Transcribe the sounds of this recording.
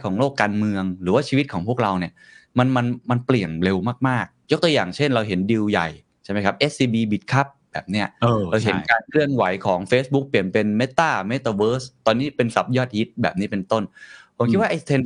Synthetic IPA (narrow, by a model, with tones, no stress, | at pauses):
jkʰɔː˩˦ŋloː˥˩kːaː˧nmɯ˧əŋɾɯː˩˦waː˥˩t͡ɕʰiː˧wi˦˥t̪̚kʰɔː˩˦pʰu˥˩ək̚ɾa˧wni˧˩ə | ma˧nma˧nma˧npli˨˩əŋɾe˧wmaː˥˩k̚maː˥˩k̚jo˦˥k̚t̪u˧jaː˨˩ŋt͡ɕʰe˥˩nɾa˧wɦe˩˦ndi˧wja̰˨˩j | t͡ɕʰa˥˩ma˦jkʰp̚ʔe˦˥siː˧biː˧bi˨˩t̪̚kʰa˦˥p̚bɛ̰ː˨˩p̚ni˦˥ɐː˧ɾa˧wɦe˩˦nkaː˧nkʰlɯ˥˩ənwa˩˦jkʰɔː˩˦ŋfeː˦˥s̚bu˦˥k̚pli˨˩ənpe˧nme˦˥t̪ːaː˥˩me˦˥t̪aː˧wɤː˦˥st̪ɔː˧nːiː˦˥pe˧nsa˨˩p̚jɔː˥˩t̪̚hi˦˥t̪̚bɛː˨˩p̚ni˦˥pe˧nt̪o˥˩npʰo˨˩˦mkʰi˦t̪̚waː˥ʔa˧jt̪ʰe˧n